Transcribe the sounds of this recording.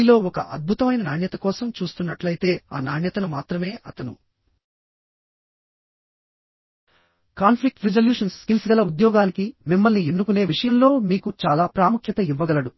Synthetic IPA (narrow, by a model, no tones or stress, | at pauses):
lo̞ːɔkɐʔɐd̪̚bʱut̪ɐmɐjnɐnaːɳjɐt̪ɐkɔːsɐmt͡ʃuːst̪unːɐʈlɐjit̪e̞ːa̰ːnaːɳjɐt̪ɐnumaːt̪ɾɐme̞ːʔɐt̪ɐnṵ | kaːnpʰlik̚ʈɾid͡ʒɐljuːʂɐnskinsɐɡɐlɐud̪jɔːɡaːnikimimːɐlnienːukune̞ːʋiʂɐjɐnlo̞ːmiːkut͡ʃaːlaːpɾaːmukʰjɐt̪ɐiʋːɐɡɐlɐɽu